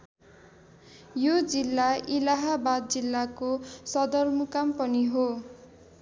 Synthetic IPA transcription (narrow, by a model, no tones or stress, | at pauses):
jod͡zilːailaɦabad̪̚d͡zilːakosʌd̪ʌrmukampʌniɦo